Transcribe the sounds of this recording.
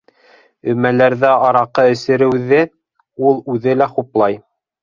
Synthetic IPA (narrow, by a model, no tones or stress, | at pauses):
ɵ̆mælæɾðæɑɾɑqɤɵ̆sɘ̆ɾɘ̆wðɘ | ulˠʉðɘlæχuplˠɑj